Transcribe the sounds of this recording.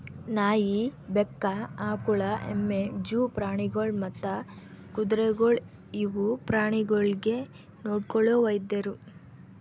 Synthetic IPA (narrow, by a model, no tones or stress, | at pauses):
naːjibekːɐaːkuɭɐʔḛmːed͡ʒuːpɾaːɳiɡoɭmɐt̪ːɐkud̪ɾeɡoɭ | iʋupɾaːɳiɡoɭɡe̞ | noːɖkɔɭoːʋɐjd̪eɾu